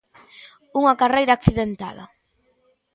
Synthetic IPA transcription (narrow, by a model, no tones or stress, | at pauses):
uŋakarejɾakθiðent̪a̰ðɐ̰